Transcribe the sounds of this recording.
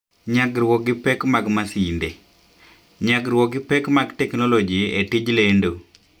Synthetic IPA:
ɲaɡɾwɔɡɪpɛkmaɡmasinde | ɲaɡɾwɔɡɪpɛkmaɡtɛknɔlɔd͡ʒietid͡ʒlendo

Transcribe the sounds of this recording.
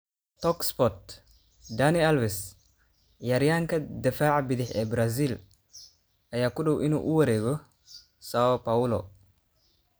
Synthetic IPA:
t̪ɔkspɔt̪̚ | d̪anɪɐlwɪs | jaɾjaːŋkʰɐd̪ɪfaːʕbɪðɪħɛ̰ːbɾaz̬iːl | ʔɐjaːkʊɖɔwʔɪnṵːʔʊwɐɾɛːɣɔ | saɔpaʊlɔ̰

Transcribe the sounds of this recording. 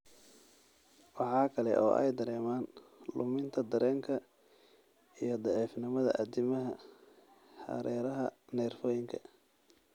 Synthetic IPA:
wɑħɑːkʰɐlɛ̰ʔɔ̰ːʔɛ̰jd̪ɐɾɛːmaːnlʊmɪnt̪ʰɐd̪ɐɾɛːŋkʰɐ | ijɞd̪ɑʕiːfnɪmɐðɐ̰ʔɐd̪ɪmɐɦɐ | hɐ̰ɾɛːɾɐɦɐnɛːrfɔːjɪŋkʰɐ̥

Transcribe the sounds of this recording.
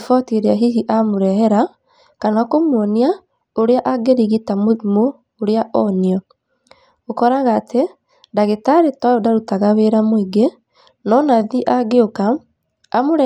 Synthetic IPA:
fɔtiɾeaɦiɣiʔamoɾɛɦɛɾa | kanakomwɔnia | oɾeaʔaɡeɾiɣitammoː | ɾeaʔɔniɔ | okɔɾaɣaːtʰe | ndaɣetaɾetɔodaɾutaɣaweɾamoiɡe | nɔnaðiʔaɡeokaː | moɾɛ

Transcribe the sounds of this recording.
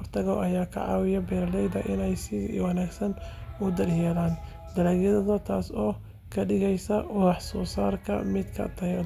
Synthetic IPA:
rt̪ʰɐɣɔʔɐjaːkʰɐ̰ʕɑ̰ːwɪjɐbɛːɾɐlɛjd̪ɐʔɪnɛjsɪwɑnaːɡsɐnʊd̪ɐrjɛːlaːn | d̪̥ɐlɐːɣjɐðɐðɐt̪ʰaːsɔː | kʰɐɖɪɣɛjsɐʔʊɑħsɔːsaːrkʰɐ̰mɪd̪kʰɐ̰t̪ʰɐ

